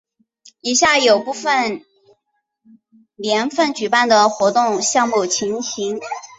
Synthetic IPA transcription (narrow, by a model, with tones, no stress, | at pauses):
i˨˩ɕja˥˩jo˨˩ʊpu˥˩fə˨˩n | ljɛ˧˥nfə˥˩nt͡ɕy˨˩pa˥˩nd̪ə˩xwɔ˧˥t̪ʊ˥˩ŋɕjɑ˥˧ŋmu˥˩t͡ɕʰi˧˥ŋɕʰi˧˥ŋ